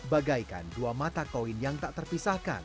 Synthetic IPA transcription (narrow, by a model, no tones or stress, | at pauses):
baɡajka̰nduamat̪akoɪnjaŋt̪aʔt̪ərpisahka̰n